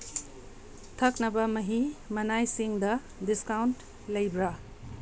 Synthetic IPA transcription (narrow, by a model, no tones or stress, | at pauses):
tʰɐk̚nɐbɐmɐɦimɐnajsiŋdɐ | diskawnt | lɐjbɾa